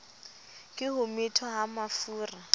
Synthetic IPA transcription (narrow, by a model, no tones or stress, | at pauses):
kʼɪɦʊmɪtʰɔɦamafuːra